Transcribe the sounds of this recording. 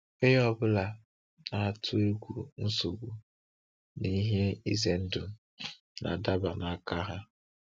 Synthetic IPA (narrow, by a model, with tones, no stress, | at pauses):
e˦jɔ˦bʊ˦la˨ | na˨tʰʊ˦e˦ɡʷu˨n̩˦su˨ɡʷu˨ | ni˦ɦe˦i˦ze˨n̩˦dʊ˨ | na̰˨da˦ba˨na˨a˦ka˦ɦa˦